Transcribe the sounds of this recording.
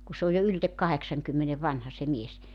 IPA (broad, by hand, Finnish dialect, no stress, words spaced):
ku sĕ oj jo yltek kɑheksɑŋkymːene ʋɑnhɑ se mies